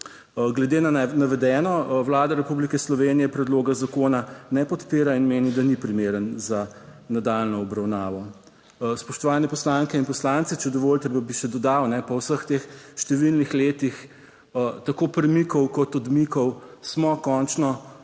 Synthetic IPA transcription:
ɡlɛd̪eːnanaʋɛd̪ɛːnɔʋlaːd̪aɾɛpublikɛslɔʋeːnijɛpɾɛd̪loːɡazakoːnanɛpɔt̪peːɾainmeːnid̪anipɾimeːɾənzanad̪alnɔɔbɾawnaːʋɔ | spɔʃt̪ɔʋaːnɛpɔslaŋkɛinpɔslant̪sit͡ʃɛd̪ɔʋoːlt̪ɛbabiʃɛd̪ɔd̪awnɛpɔwsəxt̪eːxʃt̪ɛʋilnixleːt̪ix | t̪akopɾɛmikɔwkɔt̪ɔd̪mikɔwsmɔkɔnt͡ʃnɔ

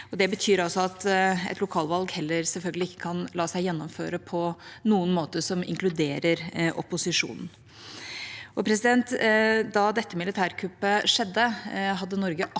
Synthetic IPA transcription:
ɔd̪ɛbət̪ʰyːɾɑlsɔɑt̪ɛ̰t̪lʊkʰɑːlʋɑlɡhɛlːəɾsɛlfœlɡəlɪɪkːə̥kʰɑnlɑːsæɪjɛnːɔmfø̰ːɾəpʰɔnuːənmoːt̪əʂɔmɪ̰ŋklʉd̪eːɾəɾʔɔ̰pːʊsɪʂṵːnn̩ | ʔɔpʰɾɛsɪd̪ɛnt̪d̪ɑd̪ɛt̪ːəmɪlɪt̪ʰæːɾkʰʉpːəʂɛd̪ːəɦɑd̪ːənɔɾɡəʔ

